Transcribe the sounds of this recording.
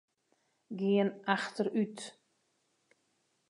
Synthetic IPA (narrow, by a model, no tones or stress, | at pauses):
ɡɪənaxtəryt